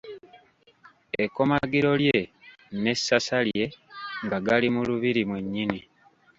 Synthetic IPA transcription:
eko̞maɡiɾo̞lje̞ | ne̞sːasalje̞ŋɡaɡalimuluβiɾimwe̞ɲːini

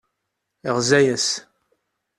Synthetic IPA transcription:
iʁzæjæs

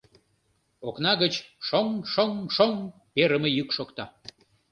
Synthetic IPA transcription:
oknɑɣət͡ɕʃoŋʃoŋʃoŋ | peɾəmə̆jykʃokt̪ɑ

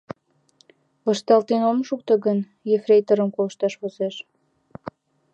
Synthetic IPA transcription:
ləʃt̪ɑlt̪enomʃuk̚t̪əɣən | jefrejt̪əɾəmkolə̆ʃt̪ɑʃβozeʃ

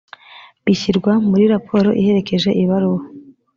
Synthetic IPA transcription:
βiçiɾɡwamuɾiɾapʰo̞ːɾo̞̰ʔihe̞ɾe̞ke̞ʒe̞ʔiβaɾuwo

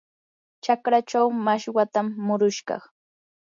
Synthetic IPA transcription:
t͡ʃakɾat͡ʃawmaʃwat̪amːʊɾʊʃɢɑ̰χ

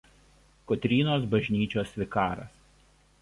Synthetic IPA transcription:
kɔt̪ʲɾʲiːnoːsbɐʒʲnʲiːt͡ʃʲoːsʲʋʲɪkɑːɾɐ̰s

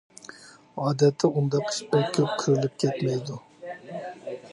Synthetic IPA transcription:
ɑːd̪ɛt̪ʰːɪund̪ɑqi̥ʃbɪɾkʲʰøp̚qʰɨɾɪlɪp̚kʲʰɛt̪mɛjd̪u

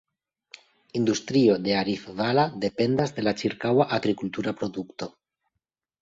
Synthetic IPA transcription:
ind̪ust̪ɾio̞d̪e̞aɾifvalad̪e̞pe̞nd̪azd̪e̞lat͡ʃiɾkawaʔaɡɾikult̪uɾapɾo̞d̪ukt̪o̞

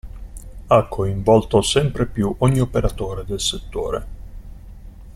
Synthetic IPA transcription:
akʰːoiɱvɔlt̪osɛmpɾepjuʔoɲːiopeɾat̪oːɾed̪elset̪ːo̰ːɾḛ

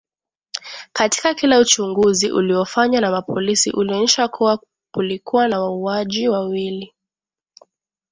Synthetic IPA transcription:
kati̥kakilaut͡ʃuŋɡuziʔṵliɔfaɲwanamapɔlisḭʔuliɔɲɛʃakʰua | kulikuwanawauaʄiwawili

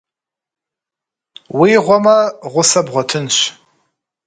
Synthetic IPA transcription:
wiːʁʷɔmɐʁʷʊsɐbʁʷɔtʰɨnɕ

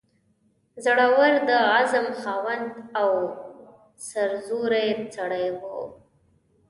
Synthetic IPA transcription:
zaɽawaɾd̪əazəmxɑwand̪aw | saɾzuɾajt͡saɽajwo

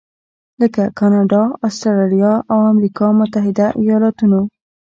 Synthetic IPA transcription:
ləkakɑnɑɖɑɑstaɾaɾijɑʔawamɾikɑmʊt̪aɦɪd̪aʔijɑlɑt̪uno

